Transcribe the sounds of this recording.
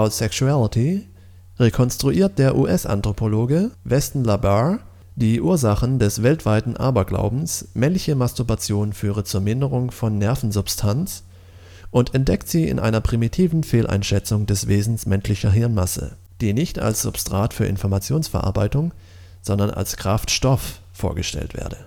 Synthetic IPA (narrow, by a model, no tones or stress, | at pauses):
aʊsɛksualɪtʰi | ʁekʰɔnstʁ̥uʔiːɐt̚d̥eːɐʔuːʔɛsʔa̰ntʁ̥opʰoloːɡəvɛstn̩laba | d̥iːʔuːɐzaχn̩dɛsv̥ɛltv̥aɪtn̩ʔa̰ɐbɐɡla̰ʊbm̩smɛnlɪçəmastuɐbat͡sjoːnfyːʁ̞ət͡suːɐmɪndəʁʊŋfɔnːɛɐfn̩zʊpstʰant͡s | ʔʊntʰɛntd̥ɛktz̥iːɪ̰nʔa̰ɪnɐpʁ̥imitʰiːvn̩feːlʔa̰ɪnʃɛt͡sʊŋdɛsv̥eːzn̩smɛnʃlɪçɐɦɪɐnmasə̰ | d̥iːnɪçta̰lsz̥ʊ̰pstʁ̥aːtfyːɐʔɪ̰nfɔɐmat͡sjoːnsfɛɐʔa̰ɐbaɪtʊŋ | z̥ɔndɐna̰lskʁ̥aftʃtɔfː | oːɐɡəʃtɛ̰ltv̥ḛːɐdə